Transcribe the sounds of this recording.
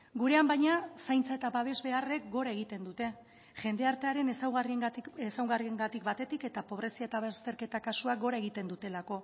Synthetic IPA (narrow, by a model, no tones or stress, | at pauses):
ɡuɾe̞ambajɲasajnt͡sae̞t̪aβaβ̞e̞zβe̞are̞k̚ɡo̞ɾaeɣ̞it̪e̞nd̪ut̪e̞ | ʝe̞nd̪e̞aɾt̪e̞aɾe̞nesawɣariesawɣarie̞ŋɡat̪ikbat̪e̞t̪ike̞t̪apo̞β̞ɾe̞siaet̪aβest̪e̞ɾke̞t̪akasuakɡo̞ɾae̞ɣit̪e̞nd̪ut̪e̞lako̞